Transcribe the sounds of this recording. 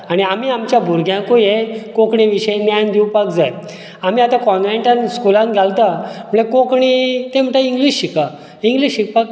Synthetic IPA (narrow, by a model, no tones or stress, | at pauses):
aɽ̃iam̤iːamt͡ɕjabʱuɾɡʱjãkojekokɳĩʋiɕəjnjajnd̪iwpakd͡zaj | am̤iat̪ãkɔ̃nʋeɳʈãnskulãnɡʱalt̪am̤əɭekokɳit̪em̤əʈaiŋɡliɕɕika | iŋɡliɕɕik̚pak̚